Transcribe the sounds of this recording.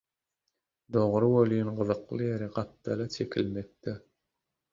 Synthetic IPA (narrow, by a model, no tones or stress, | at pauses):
d̪oʁɾɯbolʲyjnɢɯðɯqlˠɯjeɾiɢɑp̚t̪ʰɑlˠɑt͡ʃʰekʲʰilmet̪̚d̪i